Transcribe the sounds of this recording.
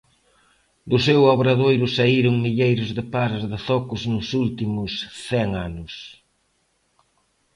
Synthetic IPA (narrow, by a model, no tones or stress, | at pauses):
d̪ʊsewaβɾaðojɾʊsaiɾʊŋmiʎejɾʊzðɪpaɾazðɪθɔkʊznʊsult̪imʊsθɛŋanʊs